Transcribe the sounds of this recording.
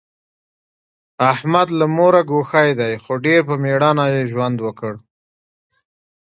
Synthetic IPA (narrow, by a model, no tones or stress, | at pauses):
ahmad̪lamoɾaɡoxajd̪ajxoɖeɾpəmeɽɑnajeʒwand̪wəkəɽ